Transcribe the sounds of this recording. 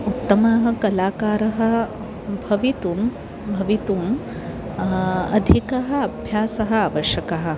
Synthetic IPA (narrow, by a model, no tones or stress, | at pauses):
ut̪ːɐmaɦɐ̆kɐlaːkaːɾɐɦɐ̆ | bʱɐʋit̪um | bʱɐʋit̪um | ɐ̰d̪ʱikɐɦɐ̆ɐbʱjaːsɐɦɐ̆aːʋɐʃjɐkɐɦɐ̆